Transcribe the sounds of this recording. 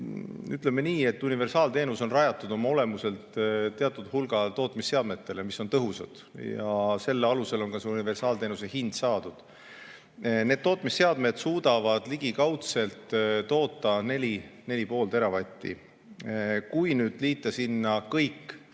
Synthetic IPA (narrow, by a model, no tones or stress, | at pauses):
yt̪lemːe̞niːe̞t̪ːˑunive̞rsɑːlt̪e̞ːnuso̞nrɑjɑt̪ːˑud̪̥o̞mɑo̞le̞muse̞lt̪t̪ːeɑt̪ːˑud̪hulɡ̥ɑt̪o̞ːt̪ˑmisːe̞ɑd̪̥me̞t̪ːe̞le̞miso̞nt̪ɤɦusɑ̰d̪̥jɑ̰se̞lːeɑluse̞lo̞nkɑseunive̞rsɑːlt̪eːnuse̞hind̪̥sɑːd̪̥ud̪̥ | ne̞ːd̪̥̚t̪o̞ːt̪ˑmisːe̞ɑd̪me̞d̪̥suːd̪̥ɑvɑd̪̥liɡ̥ikɑwt̪se̞lt̪t̪o̞ːt̪ˑːɑne̞lʲine̞lʲipo̞ːlt̪e̞ɾɑvɑt̪ʲːḭ | kujnyːd̪̥liːt̪ːˑɑsinːɑkɤjkː